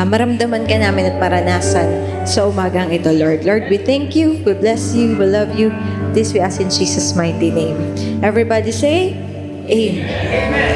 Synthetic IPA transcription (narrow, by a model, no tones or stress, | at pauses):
mɐɾɐmd̪ɐmɐnkɐnaːmɪnɐt̪̚pɐɾɐnaːsɐn | sɐʔʊmaːɡɐɐŋɪt̪o̞loɹd̪loɹd̪̚wiθɛŋkjuwɪlblɛsjuwɪlɐvjud̪ɪswiʔasɪ̃nd͡ʒiːsɐsmajt̪inẽj̃mʔɛvɹibad̪isej | ʔe